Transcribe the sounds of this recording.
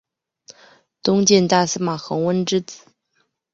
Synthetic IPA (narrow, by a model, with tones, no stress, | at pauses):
t̪ʊ˥ŋt͡ɕjɛ˥˧nt̪a˥˩sɹ̩˥ma˨˩xɤ˧˥ŋwə˥nʈ͡ʂɻ̩˥t͡sɹ̩˨˩˦